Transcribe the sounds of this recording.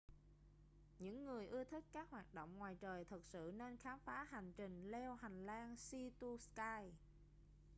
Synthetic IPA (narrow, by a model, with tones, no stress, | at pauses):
ɲɨ̰˧˥ŋːɨ˨˩əjʔɨ˧ət̪ʰi˦˥k̚kaː˦˥k̚hwaː˨˩t̚ɗo̰˧˨wŋ͡mŋwaː˨˩jt͡ɕəː˨˩jt̪ʰɨ˨˩k̚sɨ̰˧˨ne˧nxaː˨˦mfaː˨˦ha˨˩jŋ̟t͡ɕï˨˩ŋ̟lɛ˧wɦa˨˩jŋ̟laː˧nsi˧t̪u˧skaː˧j